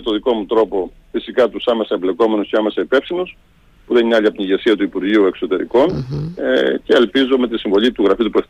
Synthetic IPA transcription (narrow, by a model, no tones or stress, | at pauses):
t̪o̞ðiko̞mut̪ɾo̞po̞ | fisikɐt̪usɐmesɐemble̞ko̞me̞nusceɐme̞sɐipe̞fsinus | puðeniɐʎiɐpot̪iʝesiɐt̪uipuɾʝiue̞ksot̪e̞ɾḭko̞nece̞ːlpizo̞me̞t̪isiɱvo̞ʎit̪uɣɾɐfit̪upue